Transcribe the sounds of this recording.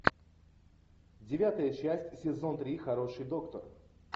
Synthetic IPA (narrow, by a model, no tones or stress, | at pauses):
dʲɪvʲat̪əjət͡ɕæsʲtʲsʲɪzo̞nt̪ɾʲixɐɾo̞ʂɨjd̪o̞kt̪ər